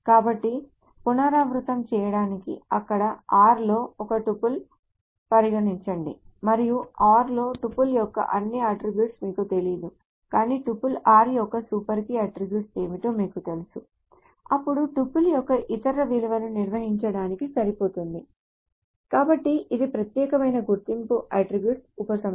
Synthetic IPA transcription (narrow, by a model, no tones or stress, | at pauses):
kaːbɐʈːi | punaːɾaːmɾut̪ɐmt͡ʃɛːjɐɽaːnikḭɐkːɐɽɐaːɾlo̞ːɔkɐʈupːul | pɐɾiɡɐniɲt͡ʃɐɳɖimɐɾijuaːɾlo̞ːʈupːuljɔkːɐ̰ʔɐnːiɐʈɾibjuːʈsmiːkut̪e̞lid̪u | kaːniːʈupːulaːɾjɔkːɐsuːpɐɾkiɐʈɾibjuːʈse̞ːmit̪o̞ːmiːkut̪e̞lusu | ɐpːuɽuʈupːuljɔkːɐʔit̪ɐɾɐʋilɐʋɐnuniɾʋɐɦiɲt͡ʃɐɽaːnikisɐɾipo̞ːt̪und̪i | kaːbɐʈːiʔid̪ipɾɐt̪jɛːkɐmɐjnɐɡuɾt̪impuʔɐʈɾibjuːʈsupɐsɐm